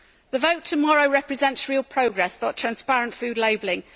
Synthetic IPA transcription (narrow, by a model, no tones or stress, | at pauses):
ðəvəʊtʰəmɒɹəʊɹɛpʰɹɪzɛ̃ntsɹiːəlˠpʰɹ̥əʊɡɹɛsb̥ətʰɹ̥ãnspaɹə̃nʔfʉːdˡleɪblɪ̃ŋ